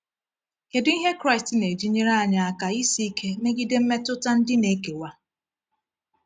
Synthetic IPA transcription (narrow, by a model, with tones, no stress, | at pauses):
ke˨di˦ɦe˦kɾa˦˨stne˨d͡ʒi˦ɲe˦ɾa˦a˨ɲa˨a˦˨ka˨i˦si˦kʰe˦ne˦ɡi˦de˦m̩˦me˦tʊ˦ta˦n̩˦dɪ˦ne˨˦ke˨wa˦